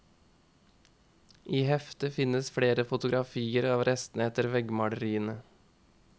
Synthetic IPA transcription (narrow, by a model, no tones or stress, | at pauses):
ʔiːhɛft̪əfɪnəsfɽeːɾəfʊt̪ʊɡɾɑfiːəɾɑːʋɾʔɛst̪nəɛt̪əɾʋɛɡmɑɽəɾiːənə